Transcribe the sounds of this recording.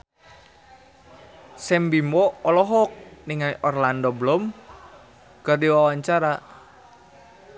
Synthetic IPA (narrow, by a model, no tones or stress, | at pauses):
sɛmbimɔɔlɔɦɔk̚niŋajʔɔrlandɔblɔm | kardiwawaɲt͡ʃaɾa